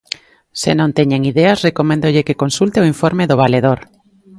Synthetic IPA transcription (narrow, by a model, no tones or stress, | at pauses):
sḛnõnt̪eɲeŋiðeasrekomẽnd̪oʎekekonsult̪eoiɱfoɾmeðoβ̞aleð̞oɾ